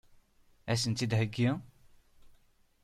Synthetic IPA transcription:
æs̬ənt̪id̪ɦəɡːi

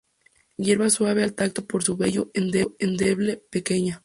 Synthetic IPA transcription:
je̞ɾβaswaβe̞alt̪ak̚t̪o̞poɾsuβe̞ʝoend̪e̞end̪e̞βle̞peke̞ɲa

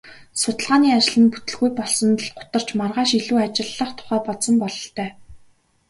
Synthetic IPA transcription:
sʊt̪ə̆ɮʁaːniːat͡ɕɪ̆ɮɘ̆nput̪ɘ̆ɮɣujpɔɮsɞ̆nt̪ə̆ɮɢʊ̥t̪ə̆r̥t͡ɕmarʁaːʃiɮuːat͡ɕɪ̆ɮːə̆χt̪ʰʊ̥χæːpɔɮsɞ̆mpɔɮɞ̆ɬt̪ʰœː

